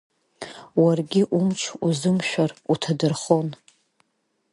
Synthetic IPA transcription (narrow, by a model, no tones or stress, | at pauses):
warɡʲɪʔumt͡ʃʰuzɨmʃᶣarutʰadɨrχo̞n